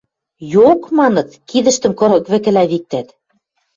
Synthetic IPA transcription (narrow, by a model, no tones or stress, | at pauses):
jokmɑnɤ̆t̪kiðə̆ʃt̪ə̆mkɤ̆ɾɤ̆kβɘ̆kɘ̆læβik̚t̪æt̪